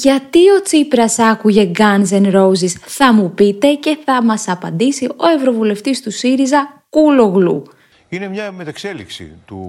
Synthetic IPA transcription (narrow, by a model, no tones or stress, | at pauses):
ʝɐt̪io̞t͡sipɾɐsɐkuʝe̞ɡɐnze̞nɾo̞zisθɐmupit̪e̞ce̞θɐmɐsɐpɐnd̪isio̞e̞vɾo̞vule̞ft̪ist̪usiɾizɐkulo̞ɣlṵ | ine̞mɲɐmet̪ɐkse̞liksḭt̪u